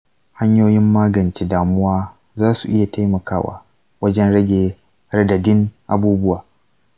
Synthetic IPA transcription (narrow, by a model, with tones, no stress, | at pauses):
ha˦ɲjoː˦jɪ˦mːaː˦ɡɐ˨nt͡ʃeː˦daː˨mʊ˦waː˦ | zaː˦su˨ʔɪ˦ja˨ta˦jmɐ˨kaː˦wa̰ː˨ | wɐ˦d͡ʒɛ˦nɽɐ˦ɡʲeː˨ | ɾɐ˦dɐ˨dɪ˦ŋʔa˨buː˦bʊ˦waː˨